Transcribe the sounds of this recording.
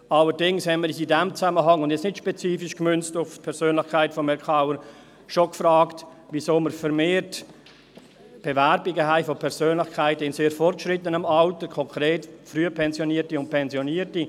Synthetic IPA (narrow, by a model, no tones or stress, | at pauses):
ɑlːəɾdɪŋshɛnməɾisidɛmt͡saməɦɑŋʊndjɛt͡snɪtʃpɛt͡siːfiʃkmʏnt͡stʊft̚pʰɛɾsøːnlɪxkʰaɪtfɔmɛkʰaʊəɾ | ʃokfɾɑːktvisoːməɾfəɾmeːɾt | b̥ɛvɛɾbiɡəɦæɪfopʰɛɾsøːnlɪxkʰaɪtəɪnseːɾfɔrt̚kʃrɪtənɑmɑʊtəkʰɔŋkʰɾeːtfɾyːəpʰɛnzjoniːətiʊnt̚pʰɛnzjoniːəti